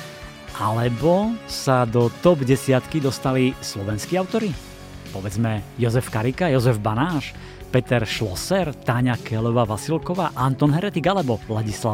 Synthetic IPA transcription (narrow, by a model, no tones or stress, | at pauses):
ʔalɛbɔsad̪ɔt̪ɔbɟɛsɪat̪kid̪ɔst̪alislɔʋɛnskiːaʊt̪ɔɾi | pɔʋɛd͡zmɛjɔzɛfkaɾikajɔzɛvbanaːʃ | pɛt̪ɛɾʃlɔsɛɾt̪aɲakʰɛlɔʋaːʋasilkɔʋaːʔant̪ɔnɦɛɾɛt̪iɡalɛbɔlaɟisla